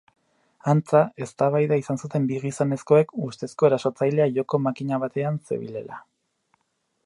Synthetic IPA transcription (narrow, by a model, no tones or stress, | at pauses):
ant͡sae̞st̪aβajðaisansut̪e̞mbiɣisane̞sko̞e̞kust̪e̞sko̞e̞ɾaso̞t͡sajle̞aʝo̞ko̞makiɲaβat̪e̞anse̞̰β̞ḭle̞̰la̰